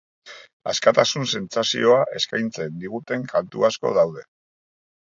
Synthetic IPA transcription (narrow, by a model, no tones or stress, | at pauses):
a̰skat̪asunse̞nt͡sasḭo̞aʔe̞skajnt͡se̞nd̪iɣ̞ut̪e̞ŋkant̪ṵasko̞̰ðawð̞e̞